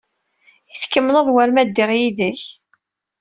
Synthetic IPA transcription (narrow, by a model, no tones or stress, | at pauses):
iθkːəmːləðˤwæɾmæd̪ːiʁjiðəç